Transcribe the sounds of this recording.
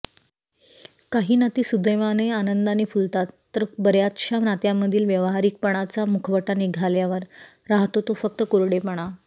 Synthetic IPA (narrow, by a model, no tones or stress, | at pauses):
kaɦiːnət̪iːsud̪əjmaneanənd̪anefult̪at̪ːəɾbəɾjat̪ɕaʋnat̪jamːəd̪ʱiːlʋjəʋɦaɾiːk̚pəɽ̃at͡samukʰəʋəʈaniɡʱaljaʋəɾ | ɾaɦt̪ot̪ofək̚t̪əkoɾɽepəɳ̃a